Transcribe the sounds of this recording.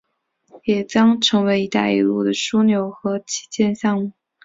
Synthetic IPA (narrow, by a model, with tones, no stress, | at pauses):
jɛ˨˩t͡ɕjɑ˥ŋʈ͡ʂʰɤ˧˥ŋwe˧˥ɪi˧˥t̪a̰˥˩ɪḭ˧˥lu˥˩d̪ə˩ʂu˥njo˧˥ʊxɤ˧˥t͡ɕʰi̥˨˩t͡ɕjɛ˥˧nɕjɑ˥˧ŋmu˥˩